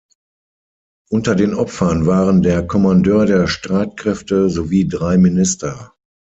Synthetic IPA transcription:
ʔʊntɐdeːnʔɔpfɐnvaːʁəndeːɐkʰɔmandøːɐdeːɐʃtʁ̥aɪt̚kʁ̥ɛftəzoviːdʁaɪminɪstɐ

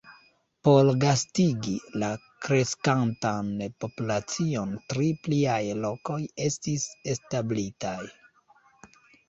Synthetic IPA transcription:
po̞lɡastiɡila | kɾe̞skantanpo̞pulat͡sio̞ntɾipliajlo̞ko̞je̞stise̞stablitaj

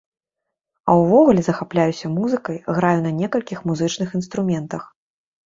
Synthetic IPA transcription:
ɐwvɔɣulʲɛzɐxaplʲajusʲɐmuzɨkɐjɣɾajunɐnʲɛkɐlʲkʲixmuzɨt͡ʂnɨxin̪st̪ɾumʲɛnt̪ɐx

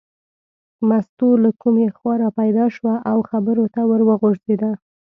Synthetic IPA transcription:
mast̪ulakumexwɑɾapajd̪ɑʃwaʔawxabəɾot̪awəɾwəɣoʐzed̪a

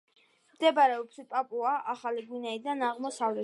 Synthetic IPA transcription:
md̪ɛbaɾɛɔbspʼapʼuaʔaχaliɡunɛid̪anaʁmɔsavlɛ

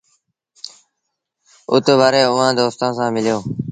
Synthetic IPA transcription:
ʊt̪ʋaːɾeːʊːãːd̪oːst̪ãːsãːmɪljoː

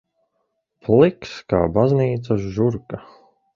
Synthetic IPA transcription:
plikska̰ːbazniːt̪saʒuɾka

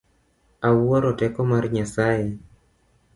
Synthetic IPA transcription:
awɔɾɔtɛkɔmarɲasaje

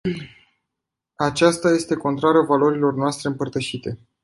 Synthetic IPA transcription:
at͡ʃast̪aje̞st̪e̞ko̞nt̪ɾaɾavalo̞ɾilo̞rnoast̪ɾeɨmpərt̪əʃit̪e̞

